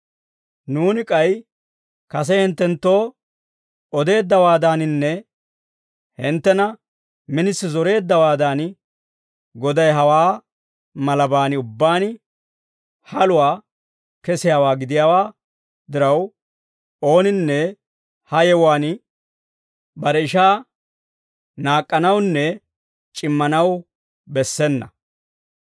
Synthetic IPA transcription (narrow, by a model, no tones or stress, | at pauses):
nuːnɪkʼɐj | kɐs̬ɛhɪnt̪ːɛnt̪ːo̞ː | ɔd̪e̞ːd̪ːɐwaːd̪aːnɪnːɛ | hɪnt̪ːɛnɐ | mɪnɪsːɪzɔɾe̞ːd̪ːɐwaːd̪aːn | ɡɔd̪ɐjɦɐwaː | mɐlɐbaːnɪʊbːaːnɪ | hɐlʊwaː | kɛsɪjaːwaːɡɪd̪ɪjaːwaː | d̪ɪɾɐw | o̞ːnɪnːɛ | hɐjɛwaːn | bɐɾɛɪʃaː | naːkʼːɐnɐwnːɛ | t͡ʃʼɪmːɐnɐw | bɛsːɛnːɐ̰